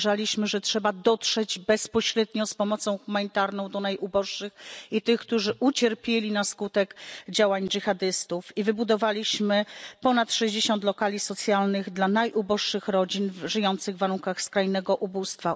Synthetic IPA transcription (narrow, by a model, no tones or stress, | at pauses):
ʐalʲiɕmɘʐɛtʂɛbad̪ɔtʂɛd͡ʑbɛspɔɕɾɛd̪ɲɔspɔmɔt̪sɔ̃w̃xumaɲit̪aɾnɔ̃w̃d̪ɔnajʔubɔʂːɘxit̪ɘxk̚t̪uʐɘʔut͡ɕɛɾpʲjelʲinaskut̪ɛkd͡ʑawaɲd͡ʐɘxad̪ɘst̪ufivɘbud̪ɔvalʲiɕmɘpɔnat̪ʂɛʑd͡ʑeɕɔ̃nt̪lɔkalʲisɔt̪sʲjalnɘɣd̪lanajʔubɔʂʂɘxɾɔd͡ʑinvʐɘjɔnt̪sɘɣvːaɾuŋkaxskɾajnɛɡɔʔubust̪fa